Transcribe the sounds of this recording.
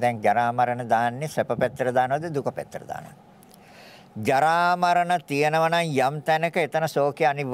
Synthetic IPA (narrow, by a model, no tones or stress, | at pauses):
d̪ɛŋd͡ʒaɾaːmɐɾənəd̪aːnːesepəpet̪ːɾəd̪aːnəʋɐd̪əd̪ukəpɛ̰t̪ːrə̰d̪a̰ːnəʋɐ̰ | d͡ʒaɾaːmɐɾənət̪ijenəʋɐnaŋjamt̪ænəkəet̪ənəsoːkeaniʋ